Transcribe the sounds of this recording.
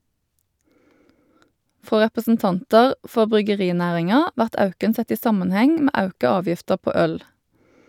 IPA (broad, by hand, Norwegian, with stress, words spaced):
ˈfʁoː ʁɛpəsn̩ˈtɑntɑʁ ˈfɔʁ bʁʏɡəˈʁiːˌnæːʁɪŋɑ ˈʋæʁt ˈɑʉkən ˈsɛt ˈiː ˈsɑmɑnˌhɛŋ ˈmeː ˈɑʉkɑ ˈɑːʋjɪftəʁ ˈpoː ˈœl